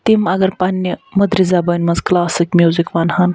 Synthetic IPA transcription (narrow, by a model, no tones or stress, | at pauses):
t̪imaɡɐɾpanːəmɐd̪ɾizabɐnʲmɐzklasikmʲjuzikʋanhan